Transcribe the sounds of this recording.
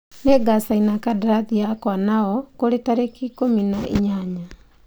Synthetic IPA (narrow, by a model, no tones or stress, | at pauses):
neɡasainakadaɾaðiakwanaɔkoɾetaɾekikominaʔiɲaɲa